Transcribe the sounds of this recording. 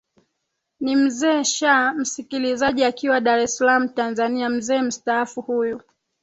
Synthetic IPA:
nim̩zɛːʃam̩sikilizaʄiakiwaɗaɾɛsalam̩tanzaniam̩zɛːm̩staafuhuju

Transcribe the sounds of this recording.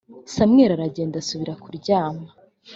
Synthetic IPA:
samŋe̞ːɾaɾaɟe̞ːndasuβiɾakuɾɟaːma

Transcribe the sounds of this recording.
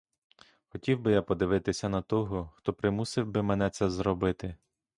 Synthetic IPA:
xɔtʲiwbɪjapɔd̪ɪʋɪt̪ɪsʲɐnɐt̪ɔɦɔxt̪ɔpɾɪmusɪwbɪmɛnɛt̪sɛzɾɔbɪt̪ɪ

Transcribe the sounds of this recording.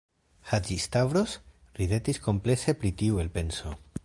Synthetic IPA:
had͡ʒist̪avɾos | ɾiðe̞t̪isko̞mple̞se̞pɾitiue̞lpe̞nso̞

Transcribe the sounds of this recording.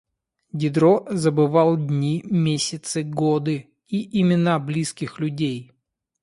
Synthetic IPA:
dʲɪd̪ɾozəbɨvalˠdʲnʲimʲesʲɪt̪sɨɡod̪ɨ | iʔɪmʲɪnablʲiskʲɪxlʲʉdʲej

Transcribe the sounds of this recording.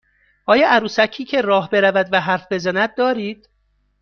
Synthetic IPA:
ʔɒːjɒːʔæɾuːsæcʰiːcʰe̞ɾɒːɦbe̞ɾævæd̪væɦæɾfbe̞zænæd̪̚d̪ɒːɾiːd̪̥

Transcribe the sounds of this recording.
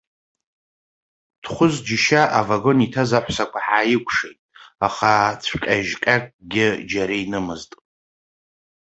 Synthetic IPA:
d̥χʷʊzd͡ʒɪʃaʔavaɡo̞nitʰazaħʷsakʷʰaħajɪkʷʰʼʂejtʼaχat͡sʷʰqʲʼaʒqʲʼakʼɡʲɪd͡ʒaɾainɨmɨztʼ

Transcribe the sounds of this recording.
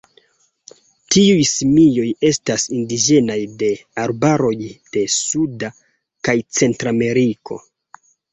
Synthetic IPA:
tiujsimijo̞je̞stasindid͡ʒe̞najde̞aɾbaɾo̞jd̥e̞suda | kajt͡se̞ntɾame̞ɾiko̞̰

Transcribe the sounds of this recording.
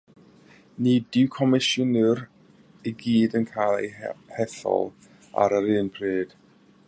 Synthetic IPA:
nidɪwkʰɔmɪʃʊnɪr | iɡiːdənkʰajlˠḛjhɛθɔ̰lˠ | a̰ɾəɾɨːnpʰreːd̥

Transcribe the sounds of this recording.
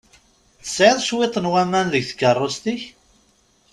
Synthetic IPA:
θə̥sʕeðˤʃwet̪ˤːənwæmːænðəɡθə̥kːərˤːost̪iç

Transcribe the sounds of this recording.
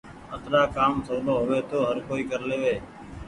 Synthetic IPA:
ət̪ɾaːkaːmsəoːloːɦʊʋeːt̪oːɦəɾkoːiːkəɾleːʋeː

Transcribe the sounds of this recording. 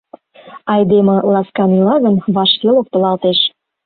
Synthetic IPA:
ɑjd̪emĕlɑskɑnilɑɣə̆nβɑʃkelok̚t̪ɤ̆lɑlt̪eʃ

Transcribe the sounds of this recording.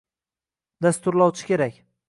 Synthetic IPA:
d̪ast̪ʊɾlˠɒwt͡ʃʰɪ̥kʲe̞ɾakʲ

